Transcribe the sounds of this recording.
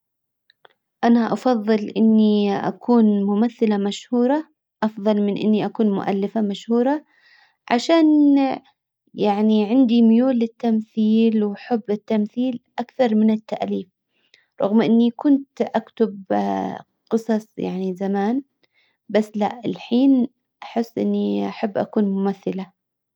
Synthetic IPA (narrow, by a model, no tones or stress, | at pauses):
ʔanaʔɑfɑðˤːɨlʔɪnːiʔa̰kʰuːnmʊmaθːɪlamaʃhuːɾˤɑ | ʔɑfðˤɑlmɪnʔɪ̰nːiʔakuːnmʊ̰ʔa̰lːɪfamaʃhuːɾˤɑ | ʕa̰ʃaːn | jaʕniʕɪnd̪imʊjuːlːɪt̪ːamθiːlwħʊbːɪt̪ːamθiːlʔakθɑɾˤmɪnɪt̪ːaʔliːf | ɾˤɑ̰ɣmʔɪnːikʊnt̪ʔakt̪ʊb | qɨsˤɑsˤja̰ʕnizamaːn | basːlaʔɪlħiːn | ʔaħɪsːʔɪ̰nːiʔaħabːʔa̰kuːnmʊmaθːɪla